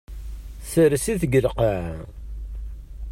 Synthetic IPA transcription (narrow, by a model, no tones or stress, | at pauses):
səɾsiθəɡəlqəʕ